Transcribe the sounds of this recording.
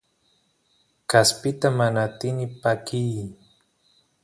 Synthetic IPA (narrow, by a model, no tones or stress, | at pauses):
kaspɪt̪amanat̪ɪnɪpakij